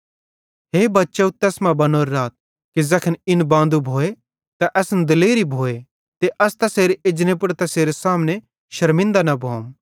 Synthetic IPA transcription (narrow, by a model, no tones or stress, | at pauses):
ɦeːbɐtːʃeut̪ɛːsmãbɐnoːɾːaːt̪̚ | kizɐkʰənɪnbãːnd̪ubʱoːe | t̪aʔɛsnd̪ɪleːɾibʱoːe | t̪eʔɐst̪ɐseːɾeɪd͡ʒnẽp̬ʊɽt̪ɐseːɾesaːmne | ʃɐɾmɪ̃nd̪anɐbʱoːm